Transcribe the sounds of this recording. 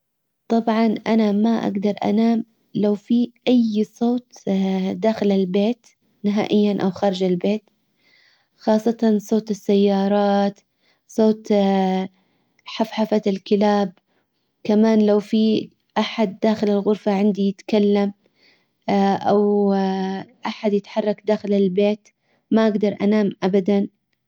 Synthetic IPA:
t̪ˤɑbʕɑnʔanamaʔa̰ɡd̪ɑɾˤʔa̰naːm | lawfiʔajsˤoːt̪d̪aːxɪlɪlbeːt̪ | nɪɦaːʔɪjːanʔawxɑːɾˤɪd͡ʒalbeːt̪ | xɑːsˤːɑt̪ɑnsˤoːt̪ɪsːajːɑːɾˤɑːt̪ | sˤoːt̪ | ħafħafaɪlkɪlaːb̚ | kamaːnlawfi | ʔaħad̪ːaːxɪlɪlɣʊɾfaʕɪnd̪ijɪt̪kalːam | ʔaw | ʔaħad̪jɪt̪ħɑrˤːɑkd̪aːxɪlɪlbeːt̪ | maʔaɡd̪ɑɾˤʔa̰naːmʔabad̪an

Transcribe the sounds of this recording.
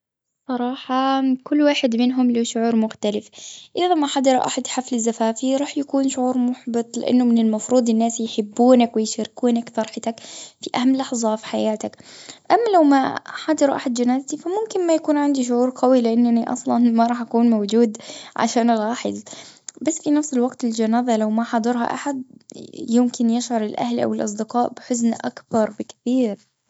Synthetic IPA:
sˤɑɾˤɑːħɑkʊlːwaːħɪd̪mɪnɦʊmliʃʊʕuːɾˤmʊxt̪alɪfʔɪðamaħɑd̪ɑɾˤʔa̰ħad̪ħaflɪzːafaːfiɾˤɑːħjakuːnʃʊʕuːɾˤmʊħbɨt̪ˤlɪ̰ʔa̰nːʊmɪnɪlmɑfɾˤuːd̪ˤɪnːaːsjħɪbːuːnakwɪjʃaɾɪkuːnakt̪ɑɾˤħɪt̪akfiʔahamːlɑħzˤɑfi̥ħajaːt̪akʔamːalawmaħɑd̪ˤɑɾʔaħad̪d͡ʒanaːzat̪ifamʊmkɪnmajakuːnʕand̪iʃ̬ʊʕuːɾɡawilɪʔanːaniʔɑ̰sˤlɑnmaɾˤɑːħʔakuːnmawd͡ʒuːd̪ʕa̰ʃaːnlˤɑːħɪ̰zˤbasːfinafsɪlwaɡt̪ɪld͡ʒanaːzalawmaħɑd̪ˤɑɾˤɦɑ̰ʔaħad̪jɪmkɪnjɪʃʕʊɾˤɪlʔa̰hlʔa̰wɪlʔɑsˤd̪ɪqɑːʔbɪħʊznʔa̰kbɑɾˤbɪkθiːɾ

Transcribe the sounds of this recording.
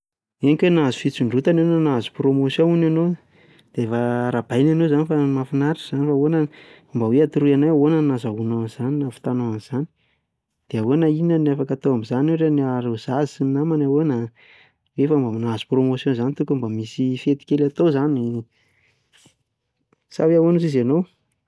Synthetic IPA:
eŋkwenazi̥fit͡siɳɖ͡ʐut̪anonanazu̥promosjõinano | d̪̥eefaɾab̥ajnanozanifamafinaɾiz̥anifaonan | mbaweat̪uɾuanawaonənazaɦunaanz̥aninafi̥t̪anoamiz̥ani̥ | d̪̥eawenainənafakat̪oamizaneɾeniaɾez̥azisinnamanawena | wefambaminazu̥promosjõnzanit̪ukumbamisifet̪i̥kʲelat̪ozani | saweawonuzizanow

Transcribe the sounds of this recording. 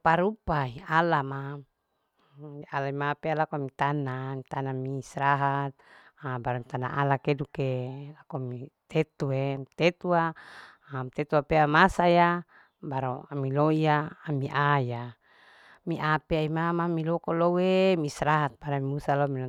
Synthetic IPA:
paɾupaialama | ialaimapealakomit̪anamit̪anamiːsɾaɦat̪̚ | abaɾamit̪ana̰ʔalakedukelakomit̪et̪uemit̪et̪ua | mt̪et̪uapeamasaja | baɾoamiloiaːmiʔaja | miʔapeaimamamilokolowemiːsɾaɦat̪̚baɾamimusalomil

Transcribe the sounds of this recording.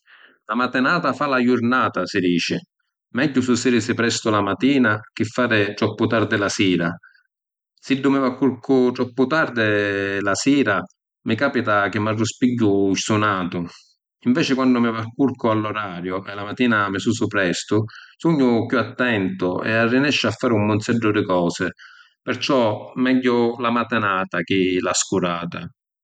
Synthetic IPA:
lamat̪ɪnaːt̪afalajʊɾnaːt̪asɪd̪iːt͡ʃɪ | mɛɟːʊsusɪɾisɪpɾɛst̪ʊlamat̪iːnak̟ɪfːaːɾɪt̪ɾɔpːʊt̪aɾd̪ɪlasiːɾa | sid̪ːʊmɪvakːuɾkʰʊt̪ɾɔpːʊt̪aɾd̪ɪlasiːɾa | mɪkaːpit̪ak̟ɪmːarːʊspiɟːʊisunaːt̪ʊ | iɱvɛːt͡ʃɪkwanːʊmɪvakːuɾkʊalːɔɾaːɾjʊɛlamat̪ːiːnamɪsuːsʊpɾɛst̪ʊsuɲːʊkjuat̪ːɛnt̪ʊɛ̰arːinɛʃːafːaːɾɪumːʊnt̪sɛɖːʊd̪ɪkɔːsɪ | pɪɾt͡ʃɔmɛɟːʊlamat̪ɪnaːt̪ak̟ɪlaskuɾaːt̪a̰

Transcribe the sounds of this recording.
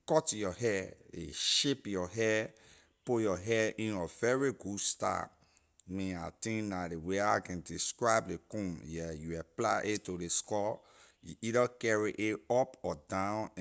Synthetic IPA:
kɔtjɔɦɛḛʃepjɔɦɛ | pujɔɦɛĩnɔvɛɹiɡudsta̰ | mĩa̰tĩnnadeweakɛ̃ndiskɹaɪbdekũnjɛjuaplaɪʔetodeskɔ | jṵʔidəkɛɹiʔeɔpɔdãʊ̃n

